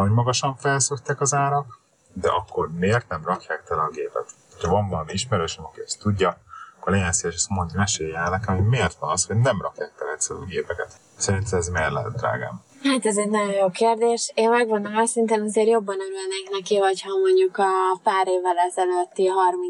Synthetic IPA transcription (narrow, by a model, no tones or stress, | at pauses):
ɦoɟmɒɡɒʃɒɱfɛlsøkt̪ːɛkɒzaːɾɒk | d̪ɛ̰ʔɒkːo̞rmeːrt̪̚nɛmrɒkjaːkt̪ɛlɡeːpɛ̰t̪hoc̪ʰɒvɒɱvɒlɒmiiʃmɛɾøːʃɛmɒkiɛst̪uɟːɒkːorlɛɟɛnseːlʃɛst̪moɲd̪mɛʃeːjɛlnɛkɛmoɟmeːrt̪ʋɒnɒsho̞ɟnɛmrɒkjaːk̚t̪ɛlɛt̪sɛloɡeːpɛkɛt̪ | sɛɾint̪ʰɛmɛzmɛrlɛ̰t̪d̪ra̰ːɡa̰ːm | haːt̪ɛzɛɟnɒɟo̞njoːkeːrd̪eːʃeːnmɛɡvond̪okɒsint̪eːnɒzeːrjo̞bːɒnøɾylneknɛkivɒchɒmo̞ɲɟukɒpaːɾeːvːɛlɛzɛløt̪ːiɦɒrmin